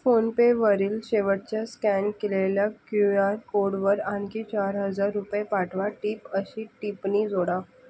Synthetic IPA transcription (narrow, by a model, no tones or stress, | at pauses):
fonpeʋəɾiːlɕeʋəɽ̚t͡ɕjaskænkeleljakujaɾkoɽʋəɾankit͡ɕaɾɦəd͡zaɾːupjepaʈʰʋaʈiːpəɕiːʈipniːd͡zʱoɽa